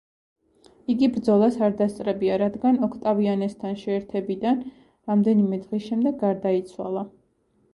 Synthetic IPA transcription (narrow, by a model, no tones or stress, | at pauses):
iɡibɾd̪zɔlˠasaɾd̪ast̪sʼɾɛbiaɾad̪ɡanɔkʰt̪ʼavianɛst̪ʰanʃɛːɾt̪ʰɛbid̪an | ɾamd̪ɛnimɛd̪ʁisʃɛmd̪ɛɡːaɾd̪ait̪sʰwa̰lˠa